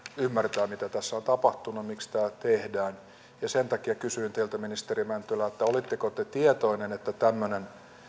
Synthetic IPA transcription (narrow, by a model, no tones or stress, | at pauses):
ymːært̪æːmit̪æt̪æsːæont̪ɑpɑht̪unumikst̪æːt̪ehdæːn | jɑsent̪ɑkiɑkysyint̪eilt̪æminist̪erimænt̪ylæet̪ːæolit̪ːekot̪et̪iet̪oinenet̪ːæt̪æmːønen